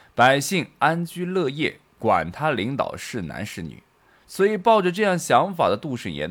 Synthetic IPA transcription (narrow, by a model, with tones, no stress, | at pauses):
pa˨˩ɪɕi˥˩ŋa˥nt͡ɕy˥lɤ˥˧jɛ˥˩ | kwa̰˨˩nt̪ʰa˥li˧˥ŋt̪ɑ̰˨˩ʊʂɻ̩˥˩na̰˧˥nʂɻ̩˥˩ny̰˨˩˦ | swɔ˧˥i˨˩pɑ˥˩ʊʈ͡ʂə˩ʈ͡ʂɤ˥˧jɑ˥˩ŋɕjɑ˧˥ŋfa̰˨˩d̪ə˦t̪u˥˧ʂɻ̩˥˩jɛ̰˧˥n